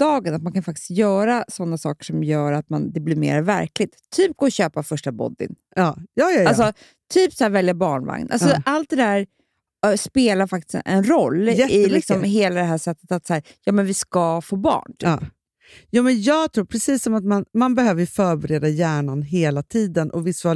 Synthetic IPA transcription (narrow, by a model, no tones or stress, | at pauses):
d̪ɑːɡənat̪̚mankʰanfak̚t̪ɪst̪jœːɾasɔnːasɑ̰ːkə̥ʂɔmjœːɾat̪̚mand̪ɛblɪɾmḛːɾvæ̰ɾklɪt̪ʰːyːp̚ɡoːɔɕøːpafœʂʈabɔ̰d̪ːɪ̰n | ɑːjɑːjals̬ɔ | t̪ʰyːpsæːɾvɛljabɑːɳva̰ŋnʔa̰lsɔalt̪̚d̪ɛd̪æːɾ | speːlaɾfak̚t̪ɪ̥sɛ̰nɾɔlːɛɪlɪksɔmheːlad̪ɛɦæːʂɛt̪ːə̥t̪at̪sæːɾjɑːmɛnvɪskafoːbɑ̰ːɳt̪ʰyː | juːmɛnjɑːɡt̪ʰɾuːɾpʰɾɛsiːsːɔmat̪manmanbɛɦøːvəɾfœːɾbɛɾeːd̪ajæːɳanɦeːlat̪ʰiːd̪ənʔɔvɪsa